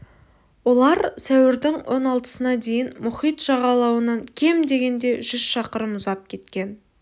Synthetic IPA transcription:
wo̞lˠɑɾsæwɪɾd̪ɪŋwʔo̞̰nɑlˠt̪ə̥sənɑd̪e̞jɪnmʊχijt̪ʒ̥ɑʁɑlˠɑwənɑŋkʲʰe̞md̪e̞ɡʲe̞nd̪e̞ʒʏzʃɑqəɾəmʊzɑp̚kʲʰe̞t̪kʲe̞n

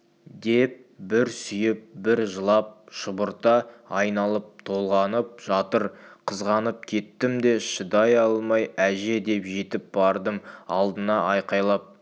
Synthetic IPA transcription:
d̪e̞p̚bɪɾsʏjɪp̚bɪɾʒəlˠɑp̚ʃəbəɾt̪ɑɑjnɑlˠəp̚t̪ʰo̞lˠʁɑnəp̚ʒ̥ɑt̪əɾqʰəzʁɑnəp̚kʲʰe̞t̪ːɪmd̪e̞ʃəd̪ɑjɑlˠmɑjæʒe̞d̪e̞pʒe̞t̪ɪp̚bɑɾd̪əmɑlˠd̪ənɑʔɑjqɑjlˠɑp̚

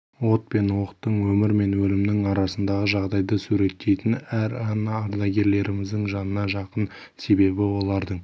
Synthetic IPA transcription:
wo̞t̪̚pe̞nwo̞qət̪ːəɴwɵmɪɾme̞nwɵlɪmɪnɪŋɑɾɑsənd̪ɑʁəʒɑʁd̪ɑjd̪əsuɾe̞t̪ːe̞jt̪ɪnæɾɑnɑːɾd̪ɑɡʲe̞ɾle̞ɾɪmɪzd̪ɪŋʒɑnənɑʒɑqən | se̞be̞bɪwo̞lˠɑɾd̪əɴ

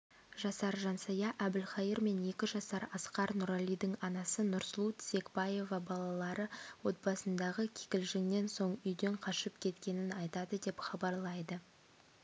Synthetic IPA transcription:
ʒɑsɑɾʒɑnsɑjɑʔæbɪlχɑiɾme̞ne̞kʲɪʒɑsɑɾɑsqɑɾnʊɾalʲijd̪əɴɑnɑsənʊɾslˠut̪se̞kbɑje̞vɑbɑlˠɑlˠɑɾəwo̞t̪̚bɑsənd̪ɑʁəkʲʰe̥kʲɪlʒɪŋne̞nso̞ɴʏjd̪e̞ɴqʰɑʃəpkʲʰe̞t̪kʲe̞nɪnɑjt̪ɑd̪əd̪e̞pχɑbɑɾlˠɑjd̪ə

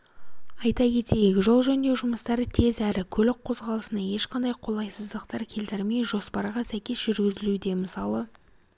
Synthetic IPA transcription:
ɑjt̪ɑkʲʰe̞t̪e̞jɪkʲɪʒo̞lˠʒænd̪e̞ʒʊməst̪ɑɾt̪ʰe̞zæɾɪkʲʰɵlɪk̚qʰo̞zʁɑlˠəsənɑje̞ʃqʰɑnd̪ɑjqʰo̞lˠɑjsəzd̪əqt̪ɑɾkʲʰe̞lt̪ɪɾɪme̞jʒo̞spɑɾʁɑsæjkʲe̞sʒ̥ʏɾɡʲɪzɪlud̪e̞məsɑlˠə

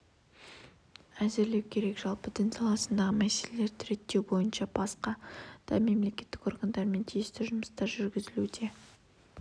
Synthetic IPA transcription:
æzɪɾle̞wkʲʰe̞ɾe̞kʒ̥ɑlˠpəd̪ənsɑlˠɑsənd̪ɑʁəmæse̞le̞le̞ɾt̪ʰɪɾe̞t̪ːe̞wbo̞jənʃɑb̥ɑsqɑd̪̥ɑ̰me̞mle̞kʲe̞t̪ːɪ̥ko̞ɾɡand̪ɑɾme̞nt̪ʰijest̪ɪʒʊməst̪ɑɾʒʏɾɡʲɪzɪlud̪e̞

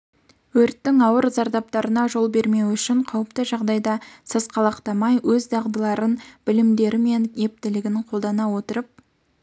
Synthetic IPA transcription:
wɵɾt̪ːɪŋɑwəɾzɑɾd̪ɑp̚t̪ɑɾənɑʒo̞lˠbe̞ɾme̞wʏʃɪɴqʰɑwəpt̪əʒɑʁd̪ɑjd̪ɑsəzqʰɑlˠɑqt̪ɑmɑjwɵzd̪ɑʁd̪əlˠɑɾənb̥ɪlɪmd̪e̞ɾɪme̞nje̞p̚t̪ɪlɪɡʲɪnqʰolˠd̪ɑnɑwo̞t̪əɾəp̚

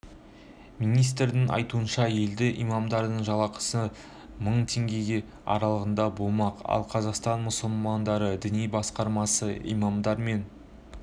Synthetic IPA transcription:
minijs̬t̪ɾd̪ɪŋʔɑ̰jt̪uənʃɑje̞ld̪ɪʔijmɑmd̪ɑɾd̪əɴʒɑlˠɑqə̥sə | məɴt̪ʰe̞ŋɡʲe̞ɡʲe̞ | ɑ̰ɾɑlˠəʁənd̪ɑbo̞lˠmɑqɑ̰lˠqʰɑzɑqst̪ɑnmʊsəlˠmɑnd̪ɑɾəd̪ɪnijbɑsqɑɾmɑsəḭmɑmd̪ɑɾme̞n

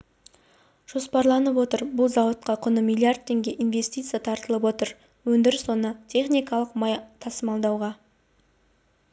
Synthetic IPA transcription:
ʒ̥o̞spɑɾlˠɑnəpwo̞t̪əɾbʊlˠzɑwət̪̚qɑqʰʊnəmilˠijard̪̚t̪ʰːe̞ŋɡʲe̞ʔinve̞st̪ijt̪sɨjat̪ʰɑɾt̪əlˠəp̬wo̞t̪əɾ | wɵnd̪ɪɾso̞nət̪ʲʰe̞χnijkɑlˠəqmɑjt̪ʰɑsəmɑlˠd̪ɑwʁɑ

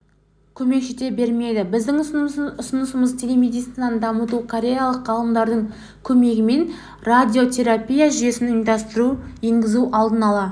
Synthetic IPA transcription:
kʲʰɵme̞kʃet̪e̞be̞ɾme̞d̪ɪbɪzd̪ɪŋʊsʊnəsəməzt̪ʲʰelʲe̞med̪it̪sinand̪ɑmət̪ukʰoɾʲe̞jalˠəqːɑlˠəmd̪ɑɾd̪əɴ | kʲʰɵme̞ɡʲɪme̞n | rad̪ʲio̞t̪ʲʰe̞ɾapʲijaʒʏje̞sɪnənd̪ɑst̪əɾueŋɡʲɪzuʔɑlˠd̪ənɑlˠɑ

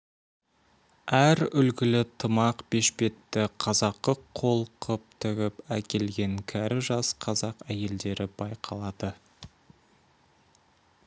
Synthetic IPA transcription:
æɾʏlɡʲɪlɪt̪ʰəmɑqbe̞ʃpe̞t̪ːɪqʰɑzɑqːəqʰo̞lˠqʰəp̚t̪ʰʏɡʲɪpækʲe̞lɡʲe̞ŋkʲʰæɾɪʒɑsqʰɑzɑqæje̞ld̪e̞ɾɪbɑjqʰɑlˠɑd̪̥ə

